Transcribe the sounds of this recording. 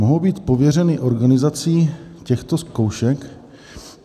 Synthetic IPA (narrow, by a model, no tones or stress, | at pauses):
oɦowbiːt̪po̞vjɛrɛnɪʔo̞ɾɡanɪzat͡siːcɛxt̪o̞sko̞wʃɛk